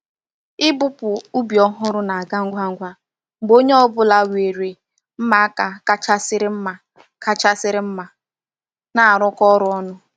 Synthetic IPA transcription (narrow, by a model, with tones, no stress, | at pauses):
ɪ˦bʊ˦pʊ˨ʊ˦bi˨ɔ˦ɦʊ˦ɾʊ˦na˨a˨ɡa˦ŋ̩˦ɡʷa˦ŋ̩˦ɡʷa˦ | ŋ͡m̩˨ɡ͡bo˦ɲe˦ɔ˦bʊ˦la˦we˨ɾe˨ | m̩˦ma˦a˦ka˨ka˦t͡ʃa˦sɪ˦ɾɪ˦m̩˦ma˨ | kʰa˦t͡ʃa˦sɪ˦ɾɪ˦m̩˦ma˨ | na˨a˨ɾɔ˦kɔ˦ɾʊ˦ɔ˦nʊ˦